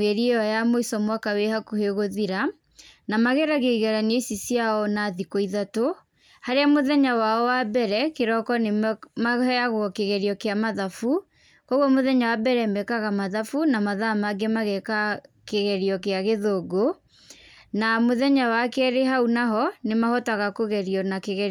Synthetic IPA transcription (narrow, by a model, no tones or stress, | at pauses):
eɾieɔjamoisɔmwakawehakuheɣoðiɾa | namaɣɛɾaɣeɣɛɾanesisjaɔnaðikoiðato | haɾeamoðɛɲawaɔwabɛɾɛkeɾɔkɔnemaɛaɣwɔkeɣɛɾiɔkeamaðafu | kɔɣwɔmoðɛɲawabɛɾɛmɛkaɣamaðafunamaðamaɡemaɣɛkakeɣɛɾiɔkeaɣeðoɡo | namoðɛɲawakɛɾeɦaunaɦɔnemahɔtaɣakoɣɛɾiɔnakeɣɛɾ